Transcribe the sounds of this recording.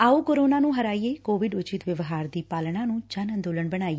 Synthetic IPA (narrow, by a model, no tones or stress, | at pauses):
aːuːkoːɾoːnaːnũːɦəɾaːiːeːkoːʋɪɖʊt͡ʃɪt̪ʋɪʋɦaːɾd̪iːpaːlɳãːnũːt͡ʃənə̃nd̪oːləɳbəɽ̃aːi